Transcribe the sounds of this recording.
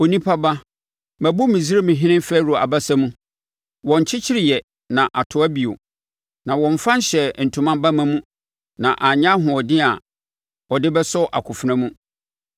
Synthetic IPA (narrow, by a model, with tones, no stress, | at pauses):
o˨nĩ˦pʰa˦ba˦ | mæ˨bʊ˦mĩ˨zɪ˦ɾɪ˦mɪ̃˨ɦɪ̃˦nɪ̃˦m˦fɛː˦ɾo˨a̰˨ba˦sa˦mũ˦ | wɔ̃˨ɲ˨t͡ɕʰɪ˦t͡ɕʰɪ˦ɾɪ˨jɛ˨ | nã˨ʔa˨tʰʊ˨æ˦bi˨o̰˨ | nã˨wɔ̃˨ɱ˨fã˦n˦ɕɛ˨n̩˨tʰũ˨mã˦ba˦mã˦mũ˦ | nã˨ʔa˨ɲã˦ɦʊ̃˨ɔ˨dɪ˦a˨ | ɔ˨dɪ˦bɛ˦sɔ˦ʔa̰˨kʰʊ˨fnã˦mũ˦